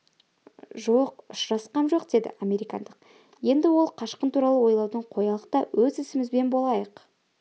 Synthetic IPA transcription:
ʒo̞qʊʃɾɑsqɑnʒo̞qd̪e̞d̪ɪ̰amʲe̞ɾijkɑ̰nd̪əq | je̞nd̪ɪwo̞lˠqʰɑʃqənt̪ʰuɾɑlˠəwo̞jlˠɑwd̪əɴqʰo̞jɑlˠəqt̪ɑwɵzɪsɪmɪzbe̞nbo̞lˠɑjəq

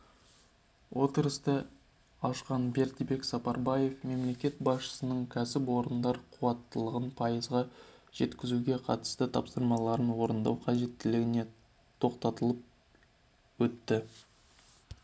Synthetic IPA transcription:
wʔo̞t̪əɾəst̪ə | ɑʃqɑnbe̞ɾt̪be̞ksɑpɑɾbɑje̞fme̞mle̞kʲe̞t̪̚bɑsʃə̥sənəɴkʲʰæsɪpwo̞ɾənd̪ɑɾqʰuwɑt̪ːəlˠəʁənpʰɑjəzʁɑʒ̥e̞t̪kʲɪzuɡʲe̞qʰɑ̰t̪ə̥st̪ət̪ʰɑ̰psəɾmɑlˠɑɾənwo̞ɾənd̪ɑ̰wqʰɑʒe̞t̪ːɪlɪɡʲɪne̞ | t̪ʰo̞qt̪ɑt̪əlˠəp̚ | wɵt̪ːɪ

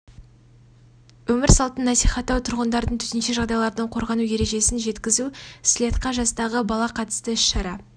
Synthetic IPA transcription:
wɵmɪɾsɑlˠt̪ənːɑsijχɑt̪ːɑwt̪ʰʊɾʁənd̪ɑɾd̪əɴt̪ʰʏ̥t̪enʃe̞ʒɑʁd̪ɑjlˠɑɾd̪əɴqʰo̞ɾʁɑnuje̞ɾe̞ʒe̞sɪnʒe̞t̪kʲɪzuslʲet̪qɑʒɑst̪ɑʁəbɑlˠɑqʰɑt̪ə̥st̪əɪʃʃɑɾɑ

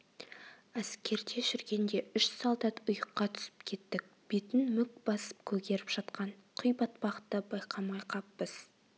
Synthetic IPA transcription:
æskʲe̞ɾd̪e̞ʒʏɾɡʲe̞nd̪e̞ʏʃsɑlˠd̪ɑt̪ʊjəqːɑt̪ʰʏ̥sɪ̥pkʲʰe̞t̪ːɪk̚ʲ | b̥et̪ɪnmʏk̚b̥ɑsə̥p̚kʲʰɵɡʲe̞ɾɪpʒ̥ɑt̪qɑɴ | qʰʊjbɑt̪bɑqət̪ːəbɑjqʰɑmɑjqʰɑpːəz̥

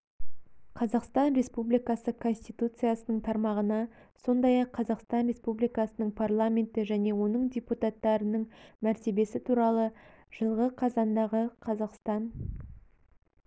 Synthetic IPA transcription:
qʰɑzɑqst̪ɑnɾe̞spublijkɑsəkʰo̞nsʲt̪ijt̪ut̪sɨjasənəɴt̪ʰɑɾmɑʁənɑso̞nd̪ɑjɑqʰːɑzɑqst̪ɑnɾʲe̞spublijkɑsənəɴpʰarlˠamʲe̞nt̪ɪʒæne̞wo̞nəɴd̪ʲeput̪at̪ːɑɾənəɴmæɾt̪e̞be̞sɪt̪ʰuɾɑlˠə | ʒ̥əlˠʁəqʰɑzɑnd̪ɑʁəqʰɑzɑqst̪ɑn

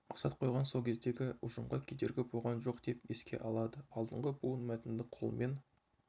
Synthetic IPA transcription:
mɑqsɑt̪̚qʰo̞jʁɑnso̞lˠkʲʰe̞zd̪e̞ɡʲɪʊʒəmʁɑkʲʰed̪e̞ɾɡʲɪbo̞ʁɑnʒo̞qd̪̥e̞pjeskʲʰe̞̰ʔɑlˠɑd̪əɑlˠd̪əɴʁəbuənmæt̪ɪnd̪ɪqʰolˠəmʔen

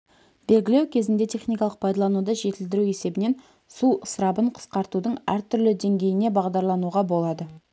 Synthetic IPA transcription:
be̞lɡʲɪle̞wkʲʰe̞zɪnd̪e̞t̪ʰe̞χnijkɑlˠəq̚pʰɑjd̪ɑlˠɑnud̪əʒe̞t̪ɪld̪ɪɾue̞se̞bɪne̞n | suəsɾɑbəɴqʰə̥sqɑɾt̪ud̪əɴæɾt̪ʰʏɾlɪd̪e̞ŋɡʲe̞jɪne̞bɑʁd̪ɑɾlˠɑnuʁɑbo̞lˠɑd̪ə

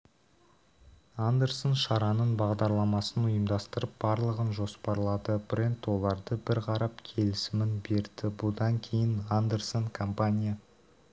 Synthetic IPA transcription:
and̪e̞ɾsonʃɑɾɑnənbɑʁd̪ɑɾlˠɑmɑsənʊjəmd̪ɑst̪əɾəp̚bɑɾlˠəʁənʒo̞spɑɾəlˠɑd̪əb̥rʲe̞nt̪wo̞lˠɑɾd̪əbɪɾqʰɑɾɑpkʲʰe̞lɪsɪmɪnbe̞ɾd̪ɪbʊd̪ɑŋkʲʰe̞jɪnand̪e̞rsonkʰompanʲija

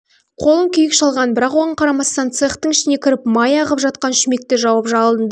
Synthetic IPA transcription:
qʰo̞lˠəŋkʲʰijɪkʃɑlˠʁɑnbɪɾɑqwonɑqʰɑɾɑmɑst̪ɑnt̪seχt̪əŋɪʃɪne̞kʲʰɪɾɪpmɑjɑʁəpʒɑt̪̚qɑnʃʏme̞k̚t̪eʒɑwɑpʒɑlˠd̪ənd̪

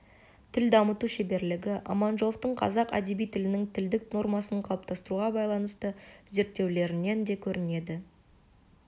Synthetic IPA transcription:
t̪ʰɪld̪ɑmət̪uʃe̞be̞ɾlɪɡʲɪʔɑ̰mɑnʒo̞ft̪əɴqʰɑ̰zɑqæ̰d̪e̞bijt̪ʰɪlɪnɪŋt̪ʰɪld̪ɪkno̞rmɑsəɴqʰɑlˠəpt̪ʰɑst̪əɾuʁɑbɑjlˠɑnəst̪əze̞ɾt̪ːe̞wle̞ɾɪne̞nd̪e̞kʲʰɵɾɪne̞d̪ɪ

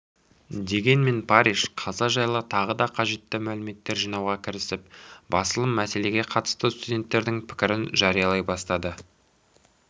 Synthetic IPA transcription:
d̪e̞ɡʲe̞nme̞npʰɑɾiʃqʰɑzɑʒɑjlˠət̪ʰɑʁəd̪ɑqʰɑʒe̞t̪ːɪmælɪme̞t̪ːe̞ɾʒijnɑwʁɑkʲʰɪɾɪsɪp̚bɑsəlˠəmːæse̞le̞ɡʲe̞qʰɑt̪ə̥st̪əst̪udʲe̞nt̪ːe̞ɾd̪ɪŋpʰɪ̥kʲɪɾɪnʒɑɾijɑlˠɑjbɑst̪ɑd̪ə

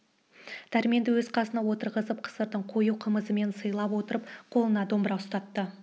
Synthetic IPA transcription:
d̪̥æɾme̞nd̪ɪwɵzqʰɑsənɑwo̞t̪əɾʁəzəp̚qʰə̥səɾd̪əɴqʰo̞juqʰəməzəme̞nsəjlˠɑpwo̞t̪əɾəp̚qʰo̞lˠənɑd̪o̞mbəɾɑʊst̪ɑt̪ːə

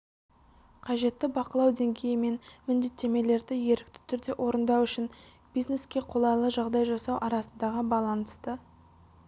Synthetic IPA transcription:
qʰɑʒe̞t̪ːɪbɑqəlˠɑwd̪e̞ŋɡʲe̞jɪme̞nmɪnd̪e̞t̪ːe̞me̞le̞ɾd̪ɪje̞ɾɪk̚t̪ɪ̥t̪ʰʏɾd̪e̞ʔo̞ɾənd̪ɑwʏʃɪn | b̥ijzne̞skʲe̞qʰo̞lˠɑjlˠəʒɑʁd̪ɑjʒɑsɑwʔɑɾɑsənd̪ɑʁəbɑlˠɑnəst̪ə

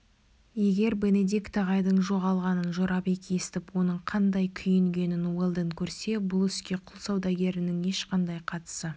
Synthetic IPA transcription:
je̞ɡʲe̞ɾbe̞ned̪ikt̪ɑʁɑjd̪əɴʒo̞ʁɑlˠʁɑnənʒoɾɑpekʲe̞st̪ɪpwo̞nəɴqʰɑnd̪ɑjkʲʰʏjɪŋɡʲe̞nɪnwelˠd̪əŋkʲʰɵɾse̞bʊlˠʏskʲe̞qʰʊlˠsɑwd̪ɑɡʲe̞ɾɪnɪŋe̞ʃqɑnd̪ɑjqʰɑt̪ə̥sə

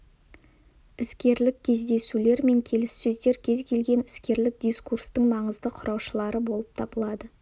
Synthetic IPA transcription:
ɪskʲe̞ɾlɪkʲkʲʰe̞zd̪e̞sule̞ɾme̞ŋkʲʰe̞lɪsːɵzd̪e̞ɾkʲʰe̞zkʲʰe̞lɡʲe̞nɪskʲe̞ɾlɪk̚d̪ijskurst̪əɴmɑɴəzd̪əqʰʊɾʔɑwʃəlˠɑɾəbo̞lˠəp̚t̪ʰɑbəlˠɑd̪ə

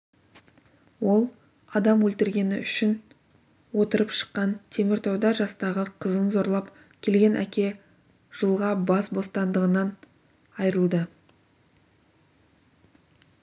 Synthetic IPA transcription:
wo̞lˠ | ɑd̪ɑmwɵlt̪ɪɾɡʲe̞nɪʏʃɪn | wo̞t̪əɾəpʃə̥qːɑnt̪ʰe̞mɪɾt̪ʰɑwd̪ɑʒɑst̪ɑʁəqʰəzənzo̞ɾlˠɑp | kʲʰe̞lɡʲe̞nʔæ̰kʲe̞ | ʒ̥əlˠʁɑbɑsbo̞st̪ɑnd̪əʁənɑn | ɑjɾəlˠd̪ə

